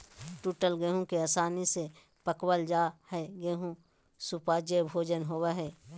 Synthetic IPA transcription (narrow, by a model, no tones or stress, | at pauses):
ʈuːʈəlɡeɦũkeaːsaːnise | pəkwəld͡ʒaːhɛɡeɦũ | supaːd͡ʒəbʱoːd͡ʒənɦoweɦɛː